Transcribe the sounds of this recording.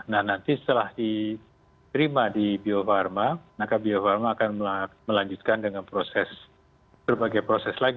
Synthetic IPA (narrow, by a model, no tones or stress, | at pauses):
nahnant̪isə̥t̪əlahdi | t̪əɾimadibiofarmamakabiofarmaːkanmaməlaɲd͡ʒut̪̚kandəŋanpɾosɛs | b̥ərbaɡajpɾosɛslaɡi